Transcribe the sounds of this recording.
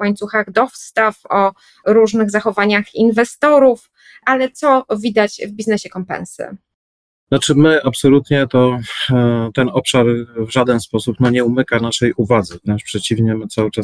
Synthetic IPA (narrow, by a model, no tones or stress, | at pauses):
waɲt̪suxaɣd̪ɔfst̪afɔ | ɾuʐnɘɣzaxɔvaɲaxinvɛst̪ɔɾuf | ʔalɛt̪sɔvʲid̪at͡ɕvbʲiznɛɕɛkɔmpɛ̰nsɘ̰ | nɔt͡ʂɘmɘapsɔlut̪ɲɛt̪ɔ | t̪ɛnɔpʂaɾvʐad̪ɛnspɔsupnɔɲɛumɘkanaʂɛjʔuvad̪zɛvɲɛʂpʂɛt͡ɕivɲɛmɘt̪sawɘt͡ʂa